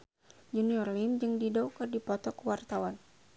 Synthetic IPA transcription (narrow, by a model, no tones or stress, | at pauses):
d͡ʒuniɔrlimd͡ʒɨŋdidɔkɨrdipɔt̪ɔkəwart̪awan